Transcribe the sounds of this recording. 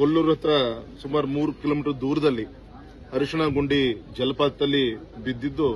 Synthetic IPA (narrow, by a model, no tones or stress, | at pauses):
olːuɾɐt̪ɾɐsumaːɾumuːɾukiloːmiːʈɐɾd̪uːɾɐd̪ɐlːi | ɐɾuʂɐɳɐɡoɳɖid͡ʒɛlɐpaːt̪ːɐlːi | bid̪ːid̪ːu